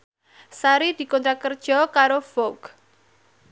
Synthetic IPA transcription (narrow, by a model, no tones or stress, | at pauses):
saɾid̪̥i̤kɔnt̪ɾakərd̥ʒ̥ɔ̤kaɾofɔɡ̥